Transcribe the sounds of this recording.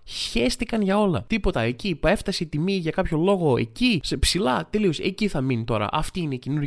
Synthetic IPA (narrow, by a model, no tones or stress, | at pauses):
sçest̪ikɐnʝɐo̞lɐ̰t̪ipo̞t̪ɐe̞cipe̞ft̪ɐseit̪imiʝɐkɐpço̞lo̞ɣo̞e̞̰cisepsilɐt̪elio̞se̞̰ciθɐminit̪o̞ɾɐ̰ʔɐft̪iinecenuɾ